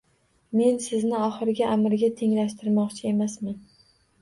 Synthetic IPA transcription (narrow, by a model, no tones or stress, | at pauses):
me̞nsɪznɪɒχɨɾɪɡʲaʔamɪɾɪɡʲat̪ʰe̞ŋlaʃt̪ʰɪɾmɒqt͡ʃʰɪe̞masman